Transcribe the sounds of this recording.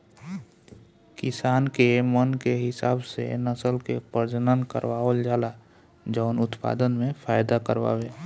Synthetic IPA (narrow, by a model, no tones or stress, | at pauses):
kɪsaːnkemənkeɦɪsaːbsḛnəsəlkḛpəɾd͡ʒənənkə̰ɾʋaold͡ʒaːla | d͡ʒəʊnʊt̪pa̰d̪ənmẽpʰaːjd̪akəɾʋa̰weː